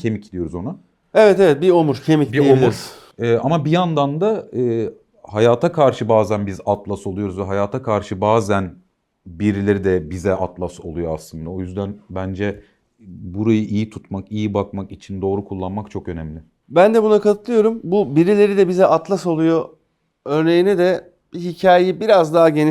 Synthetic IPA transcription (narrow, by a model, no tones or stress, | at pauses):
cʰe̞micd̪ijo̞ɾuzo̞nu | evɛt̪evɛt̪̚biomuɾcʰemiciiouɾ | ɛːamabijand̪and̪aː | hajaːt̪ʰakʰaɾʃɯbaːzænbizat̪lˠasolˠujo̞ɾuzvɛɦajaːt̪ʰakʰaɾʃɯbaːzæn | biɾilʲe̞ɾid̪ɛbizɛʔat̪lˠaso̞̰lˠujo̞aslˠɯnd̪ao̞jyzd̪ænbænd͡ʒɛ | buɾajɯʔijit̪ʰut̪makijibakmakit͡ʃʰind̪o̞ːɾukʰulˠːanmakt͡ʃʰo̞kø̞nɛmlʲɪ | bænd̪ɛbunakʰat̪ʰɯt̪lˠɯjo̞ɾumbubiɾilʲe̞ɾid̪ɛbizɛʔat̪lˠaso̞lˠujo | øɾnejinid̪ɛ | biɦicʰaːjeibiɾazd̪aɦaɟeni